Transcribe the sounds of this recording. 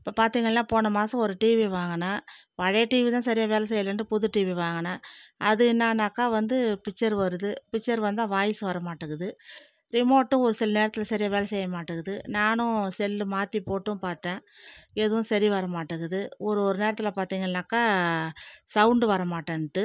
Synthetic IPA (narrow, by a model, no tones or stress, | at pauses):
ɪpːoːpaːɾt̪iːŋɡɐlːãːpoːnɐmaːsɐ̃ɔɾɯʈiːʋiʋaːŋɡɐnaː | pɐɻɛʈiːʋit̪ãːsɐɾɪjaːʋeːlɐsɛjːɐlɐnɖɯpʊðɯʈːiːʋiʋaːŋɡɐnaːɐðɯɪnːaːnakːaːʋɐnd̪ɯpɪt͡ʃːɐɾʋɐɾɯðɯpɪt͡ʃːɐɾʋɐnd̪d̪t̪ãːʋaːjɪsɯʋɐɾɐmaːʈːɯɣɯðɯ | ɾɪmoːʈːʊ̃ɔɾɯsɪlɐneːɾɐt̪ːɪlɐsɐɾɪjaːʋeːlɐsɛjːɐmaːʈːɯɣɯðɯnaːnʊ̃sɛlːɯmaːt̪ipoːʈːɯ̃paːɾt̪ːẽː | ɛðɯʋʊ̃sɐɾiʋɐɾɐmaːʈːɯɣɯðɯɔɾɯɔɾɯneːɾɐt̪ːɪlɐpaːɾt̪iːŋɡɐnːaːkːaː | sɐʊɳɖɯʋɐɾɐmaːʈːɐ̃nʈ̪ːɯ